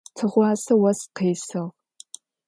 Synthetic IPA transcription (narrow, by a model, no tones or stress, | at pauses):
tʰɨʁʷɑːsɐwɐsqeːsɐʁ